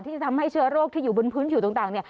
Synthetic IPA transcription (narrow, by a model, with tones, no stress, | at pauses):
t̪ʰi˧˩t͡ɕːt̪ʰa˧mha˧˥˩jsɨ˧ɾoː˥˩k̚t̪ʰi˧˩zu˨˧˩ɓe˧npʰɨ˨˦nt͡ɕʰi˨˧˩t̪ːt̪aː˨˩ni˧˩˨